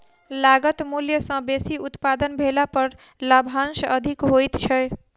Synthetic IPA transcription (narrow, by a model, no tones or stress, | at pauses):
laɡət̪muljəsə̃besiut̪pad̪ənbʱelapəɾ | labʱansəd̪ʱikɦojt̪t͡ʃʰɛj